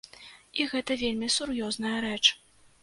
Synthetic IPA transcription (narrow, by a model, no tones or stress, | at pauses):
iɣɛt̪ɐvʲelʲmʲisurjɔznɐjɐɾɛt͡ʂ